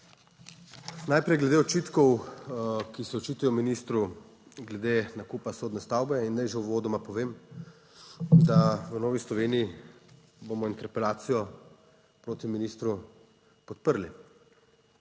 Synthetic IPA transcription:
najpɾɛjɡlɛd̪eɔt͡ʃit̪kɔw | kisɛɔt͡ʃiːt̪ujɔminist̪ɾu | ɡlɛd̪enakupasoːd̪nɛst̪awbɛinːajʒewʋoːd̪ɔmapɔʋeːm | d̪aʋənɔːʋislɔʋeːnii | bomɔint̪ɛɾpɛlaːt̪sijɔ | pɾoːt̪iminist̪ɾu | pɔt̪pəɾli

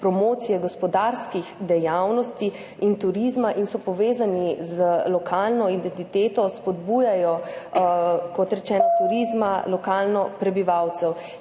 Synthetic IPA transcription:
pɾɔmoːt̪sijɛɡɔspɔd̪aɾskiɣd̪ɛjawnɔst̪i | int̪uɾizmaʔinsɔpɔʋeːzanizəlɔkʰalnɔid̪ɛnt̪it̪eːt̪ɔspɔd̪bujajɔ | kɔt̪ɾɛt͡ʃɛːnɔt̪uɾizmalɔkaːlnɔpɾɛbiʋawt̪sɛw

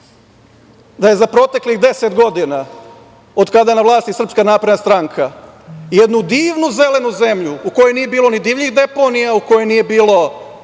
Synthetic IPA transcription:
d̪aje̞zapɾo̞ːt̪e̞kliɣd̪e̞set̪ɡo̞d̪ina | od̪kad̪ajenaʋlˠaːst̪isr̩pskanaːpɾed̪nast̪ɾaŋkʰa | jed̪nud̪iːʋnuze̞le̞nuze̞mʎuuko̞jenije̞biːlo̞nid̪iːʋʎiɣd̪e̞po̞nijauko̞jojnije̞biːlˠo̞

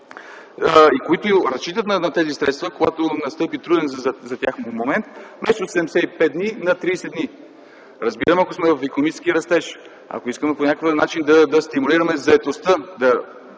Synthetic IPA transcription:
əikoit̪ʊjoɾɐst͡ʃit̪ət̪nɐnɐt̪ɛzisɾɛt̪st̪vəkoɡat̪onɐst̪ɤpit̪ɾud̪ɛnzzɐt̪ʲjaxmomomɛnt̪mɛʃt̪osɛd̪ɛmsɛipɛd̪̚d̪ninɐt̪ɾiːsɛd̪d̪ni | ɾəzbiɾəmɐkosmɛvɐfɛkonomit͡ʃɛ̥skʲiəɾɐst̪ɛʃ | ɐ̰koiskəmɛponʲakəkənat͡ʃind̪ɐd̪ɐst̪imuliɾɐmɛzɐɛt̪ost̪əd̪ɐ

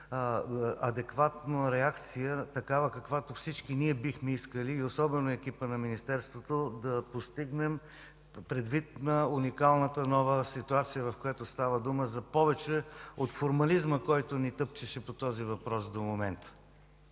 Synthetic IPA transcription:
ɐd̪ɛkvat̪noɾɛakt̪sijət̪ɐkavəkɐkvat̪ofsit͡ʃkiniɛbixmɛiskəliːosɔbɛnoɛk̟ipənɐminist̪ɛɾst̪vot̪od̪ɐpost̪iɡnɛm | pɾɛd̪vit̪̚nɐunikalˠnət̪ənɔvəsit̪uat̪sijəvɐfkojɛt̪ost̪avəd̪uməzɐpɔvɛt͡ʃɛot̪foɾmɐlizməkɔjt̪onit̪ɤpt͡ʃɛʃɛpot̪ɔzivɐpɾɔsd̪omomɛnt̪ə̥

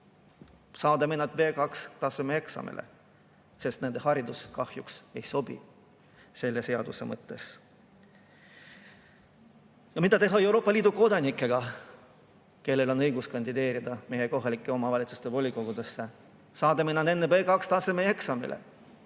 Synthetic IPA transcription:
sɑːd̪emenːɑt̪ve̞ːkɑkst̪ɑsemeeksɑ̰mḛlʔḛ | se̞st̪nend̪̥e̞hɑɾid̪uskɑhjukse̞jso̞b̥ḭ | se̞lːe̞se̞ɑd̪̥use̞̰mɤt̪ːe̞s | jɑmit̪ɑt̪e̞ɦɑewɾo̞ːpːˑɑliːd̪̥uko̞d̪ɑnikˑːe̞ɡ̥ɑ | ke̞lːe̞lo̞nɤjɡuskɑnʲd̪id̪e̞ːɾid̪̥ɑmejeko̞ɦɑlikːˑeo̞mɑvɑlʲit̪sust̪e̞vo̞lʲiko̞ɡ̥ud̪e̞sːe̞ | sɑːd̪emenːɑnd̪enːeveːkɑkst̪ɑse̞meeksɑmḭlʔḛ

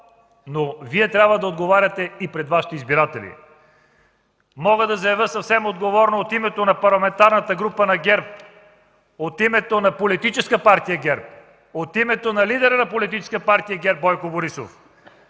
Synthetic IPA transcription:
noviɛt̪ɾʲabvəd̪ɐod̪ɡovaɾʲɐt̪ɛipɾɛd̪vaʃi̥t̪ɛizbiɾat̪ɛlḭ | mɔɡəd̪ɐzɐjɐvəsɐfsɛmod̪ɡovɔɾnoːt̪imɛt̪onɐpɐɾlˠɐmɛnt̪aɾnɐt̪əɡɾupənɐɡʲɛɾp̚ | ot̪imɛt̪onɐpolit̪it͡ʃɛskəpaɾt̪ijɐɡʲɛɾp̚ | ot̪imɛt̪onɐlid̪ɛɾənɐpolit̪̬it͡ʃɛ̥skəpaɾt̪ijəɡʲɛɾp̚bɔjkoboɾiso̰f

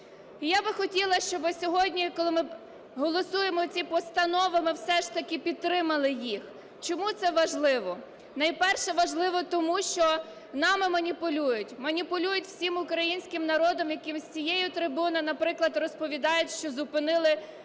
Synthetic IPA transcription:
ijabɪxɔtʲilˠɐʃt͡ʃɔbɪsʲɔɦɔdʲnʲikɔlˠɪmɪ | ɦɔlˠɔsujemɔt͡sʲipɔst̪ɐnɔʋɐmɪwsɛʃt̪ɐkʲɪpʲid̪̚t̪ːɾɪmɐlˠɪjix | t͡ʃɔmut̪sɛʋɐʒlˠɪʋɔ | nɐjpɛrʃɛʋɐʒlˠɪʋɔt̪ɔmuʃt͡ʃɔ | nɑmɪmɐnʲipʊlʲujʊtʲmɐnʲipʊlʲujʊtʲw̥sʲimʊkɾɐjinʲsʲkɪmnɐɾɔd̪ɔmjɐkɪmzʲt͡sʲijɛjʊt̪ɾɪbunɐnɐpɾɪklˠɐd̪rɔspɔʋʲid̪ɑjʊtʲʃt͡ʃɔzʊpɪnɪlˠɪ

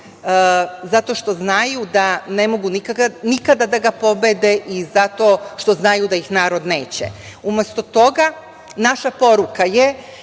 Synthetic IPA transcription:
zat̪o̞ʃt̪o̞znajud̪ane̞mo̞ɡunikaɡanikad̪ad̪aɡapo̞bed̪eʔizat̪o̞ːʃt̪o̞znajud̪ajixnaːɾo̞d̪neːt͡ɕḛ | umest̪ot̪o̞ɡa | naʃapo̞ɾukaje

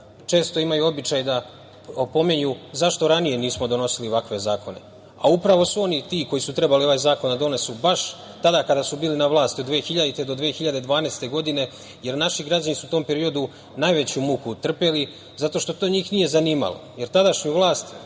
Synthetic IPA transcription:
t͡ʃe̞ːst̪o̞imajuo̞bit͡ɕajd̪a | po̞meɲuzaʃt̪o̞ɾanije̞niːsmo̞d̪o̞no̞silioʋakʋe̞zaːkʰo̞ne̞̰ | aupɾaʋo̞suo̞nit̪iːko̞jisut̪ɾe̞balioʋajzaːko̞nd̪ad̪o̞ne̞subaʃ | t̪ad̪akad̪asubiːlinaʋlˠaːst̪iod̪ʋeːxiʎad̪it̪ed̪o̞d̪ʋeːxiʎad̪e̞d̪ʋaːnest̪e̞ɡo̞d̪ine̞ | je̞ɾnaʃiɡɾad͡ʑanisut̪o̞ːmpe̞ɾio̞d̪u | najʋe̞t͡ɕumukut̪r̩peli | zat̪o̞ʃt̪o̞t̪oːɲiːxnije̞zaniːma̰lo̰jeɾt̪ad̪aʃɲuʋlˠaːst̪

